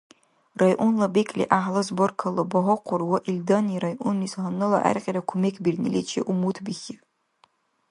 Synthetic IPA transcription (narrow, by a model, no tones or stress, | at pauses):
rajʔunlabekʼlḭʔaħlɐzborkʰɐlɐbɐɦɔqʷʰʊrwaʔildɐniɾajʔunishanɨla̰ʔæ̰rqʲʼiɾakʷʰʊmekʰbirnilʲet͡ʃʰeʔumutʰbixʲi